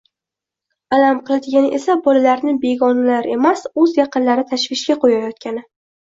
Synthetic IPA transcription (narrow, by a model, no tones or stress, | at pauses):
alamqʰɨlˠad̪ɪɡʲanɪʔe̞sabɒlalaɾnɪbe̞ɡɒnalaɾe̞masɵzjɑqɨnlaɾɪt̪ʰaʃvɪʃkʲaqʰojajɒt̪̚kʲanɪ